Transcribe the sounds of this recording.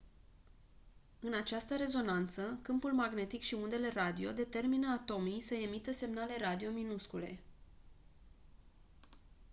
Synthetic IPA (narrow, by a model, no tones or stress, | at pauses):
ɨnat͡ʃast̪əɾe̞zo̞nant̪səkɨmpulmaɡne̞t̪ikʃiund̪e̞le̞rad̪io̞̰d̪e̞t̪e̞rminəat̪o̞mijsəe̞mit̪əse̞mnale̞ɾad̪io̞minuskule̞̰